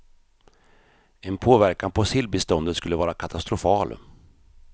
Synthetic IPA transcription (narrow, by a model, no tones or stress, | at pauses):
ɛnpʰoːvæɾkanpʰɔsɪlbɪst̪ɔnd̪ət̪skɵlːəvɑːɾakʰat̪ʰast̪ɾʊfɑːl